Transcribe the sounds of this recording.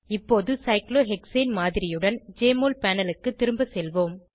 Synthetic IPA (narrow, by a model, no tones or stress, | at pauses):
ɪpːoːðɯsɐɪkloːɦɛkseːnmaːðɪɾɪjɯɽɐnd͡ʒeːmoːlpaːnɐlɯkːɯt̪ːɪɾɯmbɐsɛlʋoːm